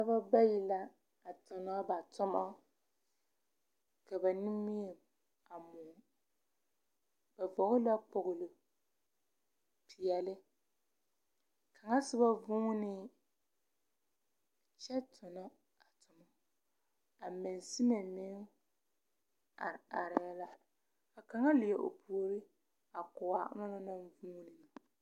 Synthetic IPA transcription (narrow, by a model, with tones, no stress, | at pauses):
a˦ba˦ba˦ji˦la˦ | a˨tʊ˨nɔ˦ba˨tʊ˦mɔ˦ | ka˨bɛ˨nɪ˦mi˦e˨ | a˨mʊ˨ | b̥a˨vɔ˨ɡʊ˦la˦k͡pʊ˨ɣʊ˨lʊ˨ | pʰi˨jɛ˨lɪ˦ | kʰa˨ŋa˦sɪ˦ba˦vʊ˦ŋ˦nɪ˦ | t͡ʃɛ˦tʰʊ˨nʊ˦ | a˨tʊ˨nʊ˦ | a˨mɪ˨n˨si˦na˨mɪ˦ŋ˦˨ | a˨ɾɪ˨a˦la˦ | a˨ka˨ŋa˦lɪ˨jɛ˨ʔo̰˨pu˨o˨ɾi˦ | a˨kʊ˨wa˨ʔna˦na˦na˦n˦vuː˦nɪ˨na˨